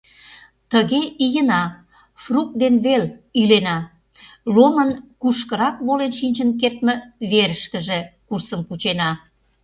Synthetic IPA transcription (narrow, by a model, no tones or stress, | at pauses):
t̪əɣeʔijənɑ | fruk̚d̪enβelylenɑ | lomənkuʃkəɾɑk̚βolenʃinʲt͡ɕənk̬ert̪mə̆βeɾəʃkəʒekursəmkut͡ɕenɑ